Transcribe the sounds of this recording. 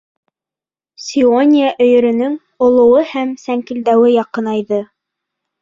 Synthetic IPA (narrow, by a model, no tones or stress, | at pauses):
sʲionʲijaʔɵ̆jɵ̆ɾɵ̆nɵŋ | ŏlˠŏwɤhæmsæŋkɘ̆ld̪æwɘjɑqɤnɑjðɤ